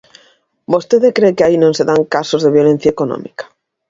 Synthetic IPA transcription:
bost̪eðekɾekeainõnseðaŋkasozðeβjolẽn̟θjaekonõ̰mikḁ

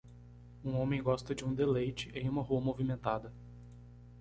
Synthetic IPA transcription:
ũõmẽj̃ɡɔst̪ɐd͡ʒɪũd̪elejt͡ʃɪʔẽj̃ũmɐɦuɐmovimẽnt̪ad̪ɐ

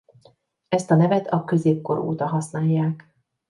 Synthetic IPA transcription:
ɛst̪ɒnɛvɛt̪ɒkø̞zeːp̚ko̞ɾo̰ːt̪ɒɦɒsnaːjːaːk

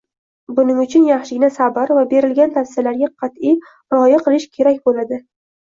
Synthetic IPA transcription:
bʊnɪŋʊt͡ʃʰʊnjɑχʃɪɡʲɪnasabaɾvabe̞ɾɪlɡʲant̪ʰafsɪjalaɾɡʲaqʰɑt̪ij | ɾɒjaqʰɨlˠɪʃkʲʰe̞ɾakʲbolad̪ɪ

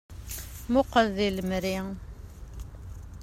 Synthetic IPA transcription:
mʊqəððiləmɾi

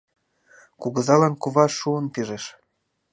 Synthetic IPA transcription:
kuɣə̆zɑlɑnkuβɑʃːuənpiʒeʃ

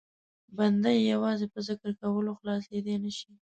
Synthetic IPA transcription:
band̪ajːawɑzepəzɪkəɾkawəloxlɑs̬led̪enəʃi

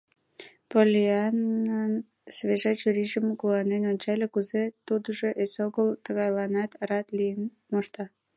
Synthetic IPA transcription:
polʲeanən | sβeʒɑt͡ɕyɾiʒəmkuɑnenonʲt͡ɕɑlʲekuzet̪ud̪əʒoʔesoɣəlt̪ə̆ɣɑjlɑnɑt̪ɾɑt̪lijən | moʃt̪ɑ

